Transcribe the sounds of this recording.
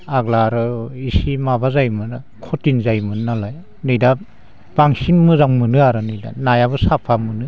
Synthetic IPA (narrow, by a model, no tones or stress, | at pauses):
aɡlaɾɯisimabazajmɯna | kʰɔtinzajmɯnnalaj | nɯjda | b̥aŋsinmɯzaŋmɯnɯaɾɯnɯjda̰najaβɯsapʰamɯnɯ